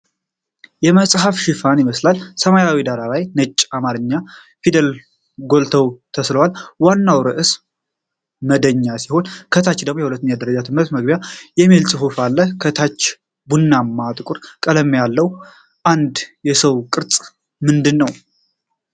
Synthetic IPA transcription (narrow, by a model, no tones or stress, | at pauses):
jɛməsʼɦafʃɪfanjməslalsəmajawid̪aɾalajnɨt͡ʃʼːamaɾɨɲːa | fid̪əl | ɡo̞lt̪ʰəwt̪ʰəsləwalwanːawɾɨʔɨs | məd̪əɲːasiho̞nkʰət̪ʰat͡ʃːd̪əɡmojɛhulət̪ːnɲad̪əɾəd͡ʒat̪ʰɨmɾət̪məɡ̚bjajɛmilsʼɨɦufalːəkʰət̪ʰat͡ʃː | bunːamːat̪ʼɨkʼʊɾkʼələmːjalːəw | ʔand̪jɛsəwkʼɨɾt͡sʼ | mɨnd̪ɨnːəw